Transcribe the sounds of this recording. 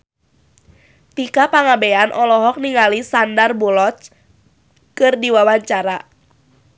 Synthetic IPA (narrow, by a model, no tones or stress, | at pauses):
t̪ikapaŋabeanʔɔlɔɦɔk̚niŋalisandarbɔlɔt͡ʃ | kɨrdiwawaɲt͡ʃaɾa